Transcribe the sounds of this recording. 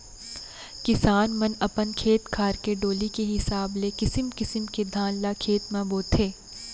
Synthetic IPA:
kɪsaːnmɐnɐpənkʰeːt̪kʰaːɾkeɖoːlikeɦɪsaːblekɪsɪmkɪsəmked̪ʱãːnlakʰeːt̪mɐboːt̪ʰeː

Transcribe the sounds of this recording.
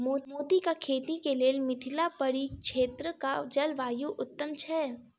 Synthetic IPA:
moːmoːd̪ikakʰeːt̪ikeleːlmɪt̪ʰɪlapɐɽikʃeːt̪ɾəkad͡ʒɐlʋaːjuʔʊt̪ːəmt͡ʃʰɛː

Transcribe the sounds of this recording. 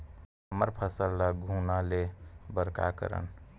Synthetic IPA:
əməɾpʰəsəlːaɡʱuːnalebəɾka̰kə̰ɾə̰n

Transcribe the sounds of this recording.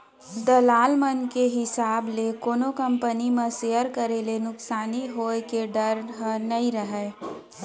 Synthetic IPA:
d̪əlaːlmənkeɦɪsaːblekoːnokəmpənimẽsejəɾkəɾelenʊksaːniɦoːkeɖəɾɦənəĩɾəɦɛː

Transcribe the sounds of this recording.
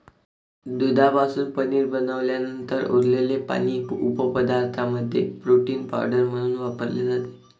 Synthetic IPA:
d̪ud̪ʱabasuːnpəniːɾbənəʋljanənt̪əɾo̰ɾlelepa̰ñiːupəpəd̪aɾt̪ʰaməd̪ʱjḛpɾoʈiːnpa̰ɾɖəɾm̤əɽ̃uːnʋapəɾled͡zat̪e̥

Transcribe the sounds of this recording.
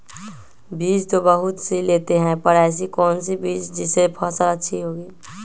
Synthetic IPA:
biːd͡ʒt̪obəɦʊt̪sileːt̪eɦɛ̃pəɽas̬ikɔːnsibiːt͡ʃd͡ʒɪsepʰɔsələtːʃʰiɦoːɡiː

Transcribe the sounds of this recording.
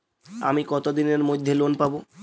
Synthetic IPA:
amikɔt̪od̪ineɾmojd̪ʱːelonpabo

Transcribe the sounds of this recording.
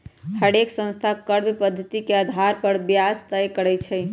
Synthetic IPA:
həɽeksə̃nst̪ʰakəɾbepəd̪ʱːət̪ikeəd̪ʱaɾpəɾbjast̪əjkəɾɛjt͡ʃʰɛj

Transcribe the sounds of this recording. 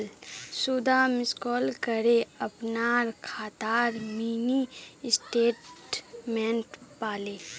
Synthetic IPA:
lsud̪ʱamɪskɔːlkəɾeəpnaːɾkʰaːt̪aːɾmiːnisʈeːʈmɛ̃ɳʈpaːleː

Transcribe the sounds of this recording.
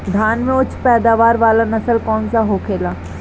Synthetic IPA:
d̪ʱaːnmẽʊt͡ʃʰpɛːd̪aːʋaːɾʋaːlanɐsəlkɔːnsaɦoːkʰeːlaː

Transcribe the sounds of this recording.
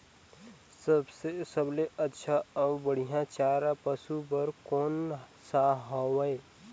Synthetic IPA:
səbsesəbleətːʃʰaɔːbəɽ̤ijãt͡ʃaːɾapɐsubəɾkɔːnsaɦɔwəe

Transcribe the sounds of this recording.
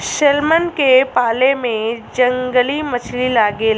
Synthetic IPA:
ʃelmənkepaːlemẽd͡ʒə̃ŋɡəlimət͡ʃʰlilaːɡel

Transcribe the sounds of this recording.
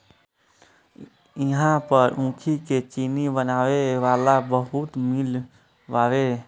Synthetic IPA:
ɪɦãpəɾũkʰiket͡ʃiːnibənaːʋeʋaːlabəɦut̪mɪl | ʋaːʋe

